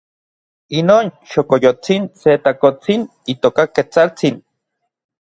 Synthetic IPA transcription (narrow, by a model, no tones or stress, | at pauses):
inoːnʃokojot͡sinset̪akot͡sin | it̪okaket͡salt͡sin